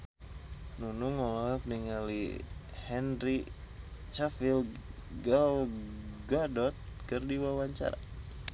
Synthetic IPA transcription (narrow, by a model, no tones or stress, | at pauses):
nunuŋɔlakniŋalḭ | hɛnri | t͡ʃafil | ɡalɡadɔt̪̚kɨrdiwawaɲt͡ʃa̰ɾa̰